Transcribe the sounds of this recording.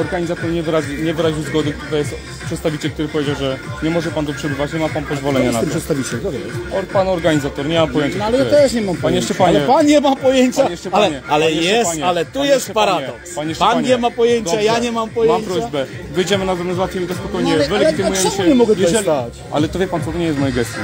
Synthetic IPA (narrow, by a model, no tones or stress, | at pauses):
ɔɾɡaɲizat̪ɔɾɲɛvɾaʑiɲɛvɘɾaʑiwzɡɔd̪ɨkt̪ut̪ɔjɛst̪ | pʂɛt̪st̪avʲit͡ɕɛlk̚t̪uɾɘpɔvʲjed͡ʑawʐɛɲɛmɔʐɛpant̪ɔpʂɛbɘvat͡ɕɲɛmapanpɔzvɔlɛɲanat̪mp̪ʂɛt̪st̪avʲit͡ɕɛlɔɔpanɔɾɡaɲizat̪ɔɾɲɛmampɔjeɲt͡ɕanalɛjat̪ɛʂɲɛmampaɲjɛʂɛpaɲalɛpanɲɛmapɔjeɲt͡ɕajɛʂɛalɛɲɛalɛjɛstaɲalɛt̪ujɛst̪paɾad̪ɔksaɲɛpanɲɛmapɔjeɲd̪t͡ɕajaɲɛmampɔjeamɲpɾɔzbɛ | vɘjd͡ʑɛmɘnazɛmɛzat̪ʲjɛmit̪ɔspɔkɔjɲɛvɛlɛit̪ɨmujɛʂɕɛɲɛmɔɡɛjɛɔʒɛliat͡ɕ | a̰lɛt̪ɔvʲjɛpant͡s̪ɔt̪ɔɲɛjɛst̪mɔjɛɡɛst̪ji